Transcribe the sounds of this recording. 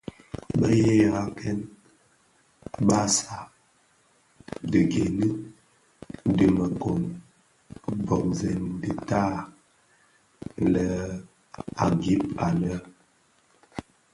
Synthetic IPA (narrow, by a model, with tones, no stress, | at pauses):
bə˦je˦ja˨˦kɛ˦n | ba˦sa˨ | də˨ɡe˨ni˦ | di˨mə˨ko˨ŋ | bɔ˨k̚zɛ˨ndi˨ta˦ | lə˨ | a̰˨ɡi˦p̚a˨lə˦